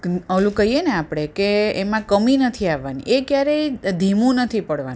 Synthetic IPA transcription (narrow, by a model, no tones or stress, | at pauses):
əlũkəɦieneapɽ̃ekeːmãkəminət̪ʰiaʋːanḭʔekjaɾeid̪ʱimũnət̪ʰipəɽʋa̰ni